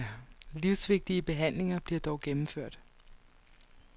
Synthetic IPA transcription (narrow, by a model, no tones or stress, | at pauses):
liʊsʋe̝ɡ̥̚d̥iəb̥e̝ɦæn̰le̝ŋɐb̥liɐd̥ɒʊɡ̥emm̩føɐ̰d̥